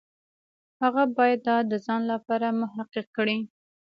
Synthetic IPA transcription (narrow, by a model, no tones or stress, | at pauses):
haɣabɑjad̪ːɑd̪ːəzɑnlapɑɾamʊɦaqɪqkːɽi